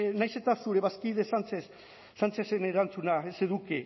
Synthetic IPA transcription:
najse̞t̪asuɾe̞βaskiðesant͡sesː | ant͡seseneɾant͡sunaese̞ðuke

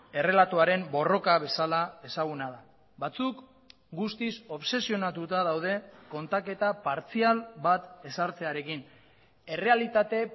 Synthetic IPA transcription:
e̞re̞lat̪oaɾe̞mbo̞ro̞kaβ̞e̞salae̞saɣ̞unaða | βat͡suk | ɡust̪iso̞βse̞sio̞nat̪ut̪að̞awð̞e̞ko̞nt̪ake̞t̪apaɾt͡sialbat̪e̞saɾt͡se̞aɾe̞kin | e̞re̞alit̪at̪e̞

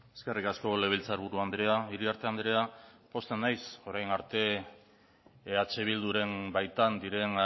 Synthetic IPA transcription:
e̞ske̞rikasko̞le̞β̞ilt͡saɾβuɾuand̪ɾe̞aiɾiaɾt̪e̞and̪ɾe̞apo̞st̪enːajso̞ɾajnaɾt̪e̞ | at͡ʃe̞βild̪uɾe̞mbajt̪and̪iɾe̞n

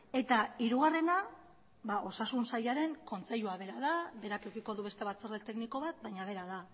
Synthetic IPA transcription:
e̞t̪aiɾuɣare̞na | baʔo̞sasunsajaɾe̞ŋko̞nt͡se̞ʎuaβe̞ɾað̞abe̞ɾakewkiko̞ðuβe̞st̪e̞βat͡soɾðet̪e̞kniko̞βat̪̚bajɲaβ̞e̞ɾaða

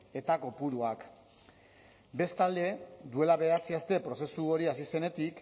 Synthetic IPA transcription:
e̞t̪ako̞puɾuak | be̞st̪ald̪e̞d̪ue̞laβe̞at͡siast̪e̞pɾo̞se̞suo̞ɾiasise̞ne̞t̪ik

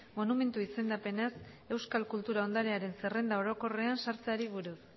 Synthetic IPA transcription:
mo̞nume̞nt̪uise̞nd̪ape̞nas | e̞wskalkult̪uɾao̞nd̪aɾeaɾe̞nse̞re̞nd̪ao̞ɾo̞ko̞re̞ansaɾt͡se̞aɾiβ̞uɾus

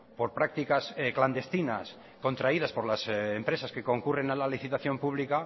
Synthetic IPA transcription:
po̞ɾpɾak̚t̪ikaskland̪e̞st̪ina̰s | ko̞nt̪ɾaiðaspo̞ɾlasempɾe̞saske̞ko̞ŋkure̞nalaliθit̪aθjo̞mpuβlika

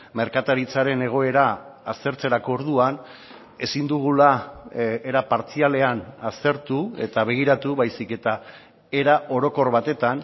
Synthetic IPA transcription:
me̞ɾkat̪aɾit͡saɾe̞ne̞ɣ̞o̞e̞ɾaː | st̪e̞ɾt͡se̞ɾako̞ːɾðuan | e̞sind̪uɣ̞ula | eɾapaɾt͡siale̞anast̪e̞ɾt̪ue̞̰t̪aβe̞ɣ̞iɾat̪uβajsike̞t̪a | e̞ɾaʔo̞ɾo̞ko̞rβat̪e̞t̪an

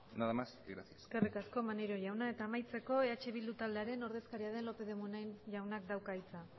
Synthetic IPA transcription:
naðamasɡɾasiasskerikasko̞maneɾo̞jawnae̞t̪aːmajt͡se̞ko̞e̞at͡ʃe̞βild̪ut̪ald̪e̞aɾe̞no̞ɾðe̞skaɾiaðe̞nlo̞pe̞ðemunenʝawnak̚d̪awkait͡sa

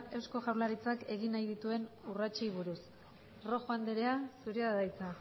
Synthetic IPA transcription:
e̞wsko̞ʝawlaɾit͡sake̞ɣinajðit̪ue̞nurat͡ʃejβ̞uɾus | ro̞xoand̪eɾeasuɾeaðajt͡sa

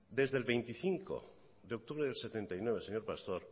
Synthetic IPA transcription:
d̪e̞zðe̞lβe̞jnt̪iθiŋko̞̰ | ðeo̞k̚t̪uβɾeðelse̞t̪e̞nt̪ajnwe̞βeseɲoɾpast̪o̞ɾ

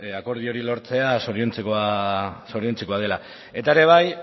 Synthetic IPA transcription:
ako̞ɾð̞io̞ɾilo̞ɾt͡se̞aso̞ɾiont͡sekoaso̞ɾio̞nt͡seko̞að̞e̞la | e̞t̪aeɾe̞β̞aj

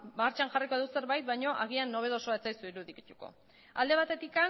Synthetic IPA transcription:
maɾt͡ʃaŋʝariko̞ðuse̞ɾβajt̪̚bajɲo̞ʔaɣianːo̞β̞e̞ðo̞so̞aet͡sajsuiɾuðikit̪uko̞̰ | a̰ld̪e̞β̞at̪e̞t̪ika

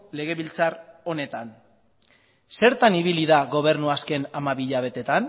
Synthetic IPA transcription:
le̞ɣ̞e̞βilt͡saro̞ne̞t̪an | se̞ɾt̪aniβiliðaɣo̞β̞e̞ɾnuaske̞namaβiʎaβ̞e̞t̪e̞t̪an

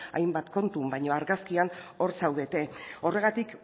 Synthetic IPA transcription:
a̰jmbat̪ko̞nt̪umbajɲo̞aɾɣaskiano̞ɾsawðe̞t̪e̞o̞re̞ɣ̞at̪ik

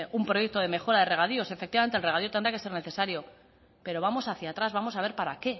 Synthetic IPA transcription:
umpɾo̞jek̚t̪oðe̞me̞xo̞ɾaðere̞ɣ̞aðio̞se̞fe̞k̚t̪iβamenelreaðiot̪enɾake̞se̞ɾne̞θe̞saɾjo̞ | pe̞ɾo̞βamo̞saθjat̪ɾazβamo̞saβ̞e̞ɾpaɾake̞

